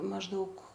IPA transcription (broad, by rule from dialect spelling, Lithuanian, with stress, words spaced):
mɐʒˈdɐʊk